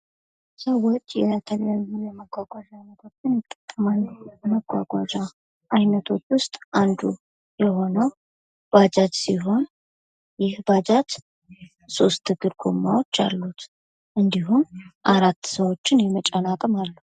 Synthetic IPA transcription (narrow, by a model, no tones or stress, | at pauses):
səwot͡ʃʼːjɛt̪ʰəljanzunjɛməɡʷwaɡʷad͡ʒanːət̪ʰot͡ʃːɪnjɪt̪ʼːət̪ʼːəmanːjɛməɡʷa̰ɡʷad͡ʒa | ʔajnət̪ʰo̞t͡ʃːwʊst̪ʼʔand̪u | jɛho̞nəw | b̥ad͡ʒat̪siɦo̞n | jɪhbad͡ʒat̪ | so̞st̪ʰːɨɡɨɾɡʰo̰mːawo̞t͡ʃːa̰lːut̪ | ʔɨnd̪iɦumʔaɾat̪ːsəwo̞t͡ʃːɪnjɛmət͡ʃʼanakʼəmalːu